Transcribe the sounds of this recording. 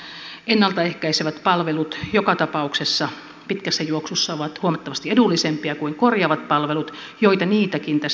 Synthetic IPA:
enːɑlt̪ɑehkæiseʋæt̪pɑlʋelut̪jokɑt̪ɑpɑuksesːɑ | pit̪kæsːæjuoksusːɑoʋɑt̪huomɑt̪ːɑʋɑst̪iedulːisempiɑkuiŋkorjɑːʋɑt̪̚pɑlʋelut̪ | joit̪ɑniːt̪ækint̪æs

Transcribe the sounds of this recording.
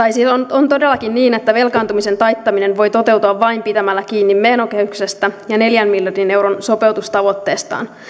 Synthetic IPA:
t̪ɑjsilːonont̪odelːɑkinniːne̞t̪ːæʋe̞lkɑːnt̪umise̞nt̪ɑjt̪ːɑminenʋo̞jt̪ot̪e̞wt̪uɑʋːɑimpit̪æmælːækiːnːimmeːnokehykse̞st̪æjɑne̞ljæmːiljɑrdine̞wɾonso̞pe̞wt̪ust̪ɑʋo̞t̪ːe̞ːst̪ɑ̰ːn

